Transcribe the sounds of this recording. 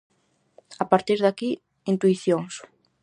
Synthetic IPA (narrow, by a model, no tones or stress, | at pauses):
apaɾt̪iɾðaki | int̪wiθjoŋs